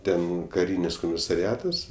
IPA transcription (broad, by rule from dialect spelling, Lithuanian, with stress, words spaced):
ˈtʲɛn kɐˈrʲiːnʲɪs koːmʲɪsɐrʲɪˈɑːtɐs